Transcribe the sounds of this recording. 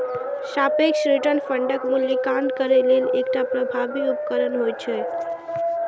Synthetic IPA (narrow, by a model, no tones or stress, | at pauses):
ʃapekʃɾiʈənfə̃ɳɖəkmuljikaɳɖkəɾelelekʈapɾəbʱabiupkəɾənɦojt͡ʃʰe